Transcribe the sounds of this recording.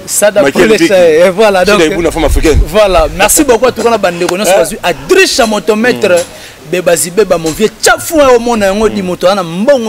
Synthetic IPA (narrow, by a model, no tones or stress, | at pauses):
sadapleaevwalaɔ̃kunafamafikɛnvwalamɛʁsibokoatukanabandekoɲjɔ̃sɔbazwiʔadʁiʃamotomɛtʁɛ | bebazibebamoviet͡ʃafuaomɔnajaŋɡodimotoanambɔŋɡ